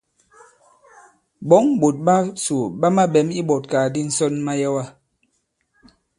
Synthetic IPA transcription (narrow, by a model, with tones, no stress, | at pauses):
bɔ˨˦ŋbo˨t̚ɓa˦su˨ɓa˦ma˦ɓɛ˨˦mi˦bɔ˨t̚ka˨di˦n̩˦sɔ˦nma˦jɛ˦wa˦